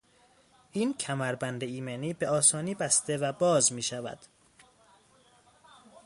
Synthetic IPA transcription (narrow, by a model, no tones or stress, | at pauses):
ʔiːncʰæmæɾbænd̪eiːmeniːbe̞ɒːsɒːniːbæst̪e̞væbɒːzmiːʃævæ̰d̪̥